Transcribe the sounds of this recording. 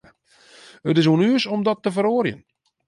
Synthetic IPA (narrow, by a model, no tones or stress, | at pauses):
ətɪsuənyəsɔmdɔtːəfəɾoːrjə̰n